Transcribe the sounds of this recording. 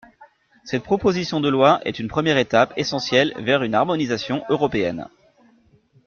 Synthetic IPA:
sɛt̪̚pχɔpozisjɔ̃d̪əlwaʔɛ̰t̪ynpχəmjɛʁet̪apesɑ̃sjɛlvɛʁynaʁmɔnizasjɔ̃ʔøʁɔpeɛ̰n

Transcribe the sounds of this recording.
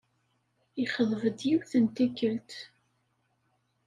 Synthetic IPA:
iχəðˤvəd̪jiwθənt̪ikːəlt̪

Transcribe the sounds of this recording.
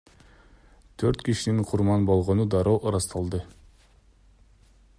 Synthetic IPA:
t̪ʰøɾt̪kiʃiniŋqʰuɾmɑnbo̞lˠʁonud̪ɑɾowʔɾɑst̪ɑlˠd̪ɯ

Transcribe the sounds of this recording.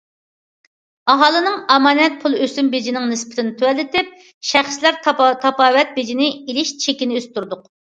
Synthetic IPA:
ɑɦɑːlˠɨnɨŋɑmɑːnɛt̪̚pʰulˠøsymbed͡ʒinɪŋnɨspɪ̥t̪ʰɪnɪt̪ʰøwɛlːɪt̪ɪp̚ | ʃæχslæɾt̪t̪ʰɑpɑːvɛt̪̚bed͡ʒinɪilɪʃt͡ʃʰekʲinɪøst̪ʰuɾd̪ʊq

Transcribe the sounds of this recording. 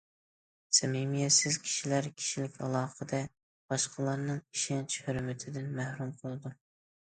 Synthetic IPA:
sɛmimijɛsɪzkʲʰi̥ʃilæɾkʲʰi̥ʃilɪkʲʰɑ̰lˠɑːqəd̪ɛ | b̥ɑʃqʰəlˠɑɾnɨŋiʃɛnt͡ʃʰhøɾmɪt̪ʰɪd̪ɪnmæhɾumqʰəlˠɨd̪u

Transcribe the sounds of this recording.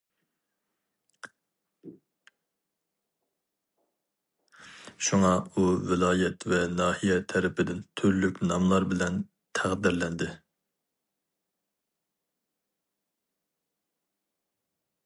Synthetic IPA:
ʃuŋɑuvɪlˠɑːjɛt̪vɛnɑːhijɛt̪ʰɛɾɪpʰɪd̪ɪnt̪ʰyɾlykʲnɑmlˠɑɾbɪlɛn | t̪ʰæʁd̪ɪɾlɛnd̪ɪ

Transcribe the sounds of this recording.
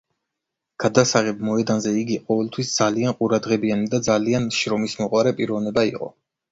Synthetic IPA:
ɡ̥ad̪asaʁɛb̚mɔɛd̪anzɛiɡiqʼɔvɛlˠt̪ʰwisd̪zalianqʼuɾad̪ʁɛbianid̪ad̪zalianʃɾɔmismɔqʼwaɾɛpʼiɾɔvnɛbaḭqʼɔ̰

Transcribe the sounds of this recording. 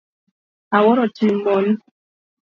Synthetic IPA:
awɔɾɔt͡ʃimɔn

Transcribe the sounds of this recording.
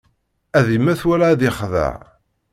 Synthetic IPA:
æðimæθwælaːðɪχðə̰ʕ

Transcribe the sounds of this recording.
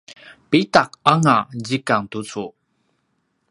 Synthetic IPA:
pitak̚aŋad͡ʑikaŋt̪ut͡su

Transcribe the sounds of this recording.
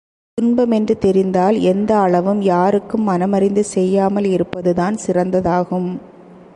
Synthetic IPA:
t̪ʊnbɐmɛndrɯt̪ɛɾɪnd̪aːlɛnd̪ɐːɭɐʋɯmjaːɾɯkːɯmːɐnɐmɐɾɪnd̪ɯsɛjːaːmɐlɪɾɯpːɐðɯðaːnsɪrɐnd̪ɐðaːɣɯm

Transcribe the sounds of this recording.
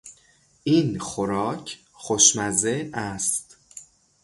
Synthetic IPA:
ʔiːnxoɾɒːcʰ | xoʃmæzeæst̪

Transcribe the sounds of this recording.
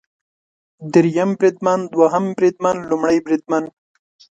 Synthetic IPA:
d̪ɪɾjambɾid̪̚mand̪waɦambɾid̪̚manlumɽajbɾid̪̚man

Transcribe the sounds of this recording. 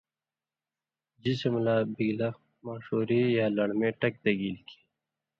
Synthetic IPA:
d͡ʑisemlaːbiɡlɐ | maːʂoːɾijaːlɐɽmẽːʈɐk̚d̪ɐɡiːlkʰi̥

